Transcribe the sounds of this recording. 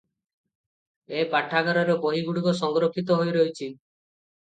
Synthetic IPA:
epaʈʰaɡaɾɔɾoboɦiɡuɽuɡɔsɔŋɡɾokʰːit̪̬ɔɦojɾɔjt͡ʃʰi

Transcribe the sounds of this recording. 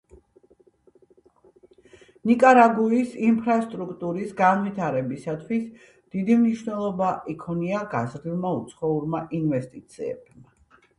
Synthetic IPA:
nikʼaɾaɡuisimpʰɾast̪ʼɾukʰt̪ʼuɾisɡanvit̪ʰaɾɛbisat̪ʰwis | d̪̥id̪imniʃnɛlˠɔbaʔikʰɔniaɡazɾilˠmaut̪sʰχɔuɾmaʔinvɛst̪ʼit̪sʰiɛ̰b̥ma

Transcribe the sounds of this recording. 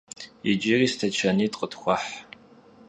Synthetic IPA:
ɪd͡ʒiriːstʰɐt͡ʃʰɐniːtʼqʼətxʷɔħ

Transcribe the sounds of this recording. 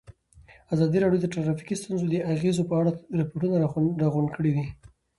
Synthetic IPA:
azɑd̪iɾɑɽjod̪əʈaɾɑfi̥kist̪unzod̪əʔaɣezopəaɽaɾɪpoʈunaɾɾaɣʊɳɖkəɽid̪i

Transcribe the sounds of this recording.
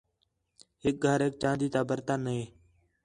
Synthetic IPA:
ɦɪk̚ɡʱəɾeːk̚t͡ʃãːnd̪iːt̪aːbəɾt̪aːnəɦeː

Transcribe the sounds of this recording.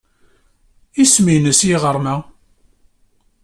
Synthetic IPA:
isminəsjiʁəɾˤmæ

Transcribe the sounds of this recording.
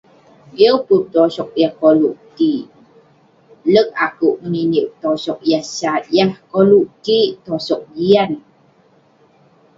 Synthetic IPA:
iput̪osɔk̚jahkoluʔt̪i | lək̚akuʔməniniʔt̪osɔk̚jahsat̪̚jahkoluʔtit̪osɔk̚ɡian

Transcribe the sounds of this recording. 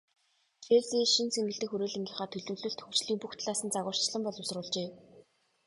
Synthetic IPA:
t͡ɕesiʃinseŋɡɘ̆ɬt̪ɘ̆xɵɾoːɮeŋɡʲiːχaːt̪ʰɵɮɵ̆wɮɵ̆ɬt̪ʰɵ̥kt͡ɕɮiːmpuxt̪ɮaːsə̆nt͡saɣʊːr̥t͡ɕɮə̆mpɔɮʊs̆rʊːɮt͡ɕeː

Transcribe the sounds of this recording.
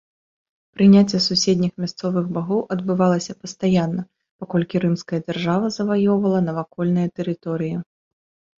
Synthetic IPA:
pɾɨnʲat͡sʲːɛsusʲed̪ʲnʲixmʲast̪sɔvɨɣbaɣɔwʔɐd̪bɨvalˠɐsʲɐpɐst̪ajanːɐ | pakɔlʲkʲiɾɨmskɐjɐd͡zʲarʐavɐzɐvajɔwvɐlˠɐnɐvakɔlʲnɨjɐt̪ɛɾɨt̪ɔɾɨji

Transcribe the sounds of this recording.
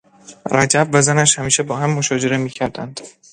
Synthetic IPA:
ɾæd͡ʒæbvæzænæʃhæmiːʃebɒːɦæmːoʃɒːd͡ʒe̞ɾemiːcʰæɾd̪ænd̪̥

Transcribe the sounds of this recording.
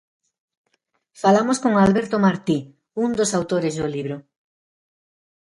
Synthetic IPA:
falamoskoŋalβeɾt̪omaɾt̪i | und̪osawt̪oɾezðoliβɾo

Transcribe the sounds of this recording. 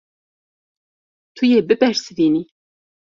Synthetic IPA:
t̪ʰujeːbɨbɛɾsɨviːni

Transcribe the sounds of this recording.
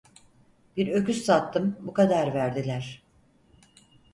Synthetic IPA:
b̥iɾø̞kyssat̪ʰːɯmbukad̪aɾvæɾd̪ilʲæɾ̥

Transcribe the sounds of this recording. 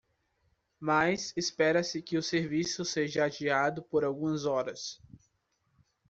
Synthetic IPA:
majsespɛɾɐsɪkɪʊseɾvisʊseʒɐad͡ʒiad̪ʊpoɾawɡũmɐzɔɾɐs

